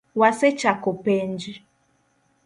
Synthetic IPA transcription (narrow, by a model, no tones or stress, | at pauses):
waset͡ʃakopend͡ʒi